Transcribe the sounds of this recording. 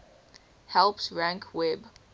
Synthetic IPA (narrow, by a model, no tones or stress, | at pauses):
hɛlˠpsɹæ̃ŋkʰwɛb